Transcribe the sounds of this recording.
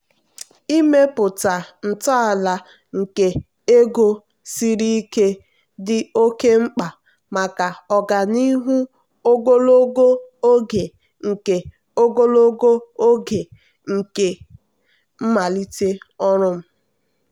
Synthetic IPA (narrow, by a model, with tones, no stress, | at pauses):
i˦me˦pʊ˨ta˨n̩˨ta˦a˨la˨ | ŋ̩˨ke˨ | e˦ɡo˦ | si˦ɾi˦ke˦ | dɪ˦o˦ke˦ŋ͡m̩˦k͡pa˨ | ma˨ka˨ɔ˨ɡa˨ni˦ɦu˦ | o˦ɡo˦lo˦ɡo˦o˦ɡe˨ | ŋ̩˨ke˨ | o˦ɡo˦lo˦ɡo˦o˦ɡe˨ | ŋ̩˨ke˨ | m̩˦ma˨li˦te˦ɔ˦ɾʊ˦m̩˦